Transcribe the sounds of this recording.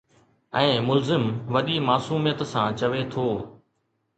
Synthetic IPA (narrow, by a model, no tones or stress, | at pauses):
ɛ̃ːmʊlzɪmʋɐɗimaːsuːmijət̪sãt͡ɕɐʋet̪ʰoː